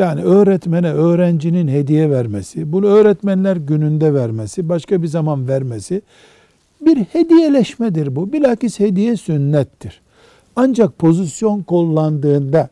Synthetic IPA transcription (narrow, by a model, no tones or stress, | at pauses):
jaːniø̞ːɾɛt̪mɛnɛø̞ːɾænd͡ʒininɦed̪ijɛvæɾmesibunuøːɾɛt̪mænlʲæɾɟynynd̪ɛvæɾmesibaʃkabizamanvæɾmesi | biɾhe̞d̪ijelʲɛʃmɛd̪iɾbubilʲacishe̞d̪ijɛsynːɛt̪ʰːiɾ̥ | and͡ʒak̚pʰo̞zisjo̞nko̞lˠːand̪ɯːnd̪a